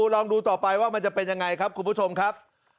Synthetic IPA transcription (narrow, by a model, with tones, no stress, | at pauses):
lɔː˧ŋduː˧t̪ɔː˨˩pa˧jwaː˥˩ma˧nt͡ɕa˨˩pe˧nja˧ŋːa˧jkʰa˦˥p̚kʰu˧npʰu˥˩t͡ɕʰo˧mkʰa˦˥p̚